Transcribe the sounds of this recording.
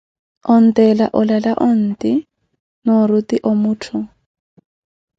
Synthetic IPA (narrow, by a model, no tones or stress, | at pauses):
ɔn̩tɛlaʔɔlalaʔɔn̩ti | nɔɾutiʔɔmutʰʊ